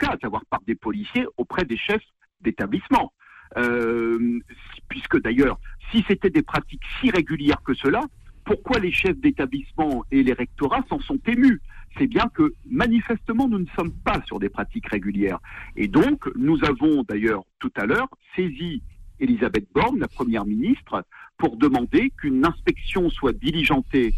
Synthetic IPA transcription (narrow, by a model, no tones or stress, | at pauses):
kasavwaʁpaʁd̪epɔlisjeʔopχɛd̪eʃɛf | d̪et̪ablismɑ̃ | ø | pɥiskəd̪ajœːʁsiset̪ɛd̪epχat̪iksiʁeɡʲyljɛʁkəsəla | puʁkwaleʃɛfd̪et̪ablismɑ̃eleʁɛk̚t̪ɔʁasɑ̃sɔ̃t̪emysɛbjɛ̃kəmanifɛst̪əmɑ̃nunəsɔmpasyʁd̪lepχat̪ikʁeɡʲyljɛːʁḛd̪ɔ̃knuzavɔ̃d̪ajœːʁt̪ut̪alœːʁsezielizabɛt̪̚bɔʁnlapχəmjɛʁminist̪χəpuʁd̪əmɑ̃d̪ekynɛ̃spɛksjɔ̃swad̪iliʒɑ̃t̪e